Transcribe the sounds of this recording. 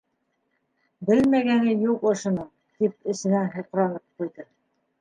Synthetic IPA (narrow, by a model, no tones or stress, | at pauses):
bɘlmæɡæŋɘjuqŏʃŏnɤɴ | t̪ip̚ɘ̆sɘ̆nænhŏq̆ɾɑnɤp̚qujðɤ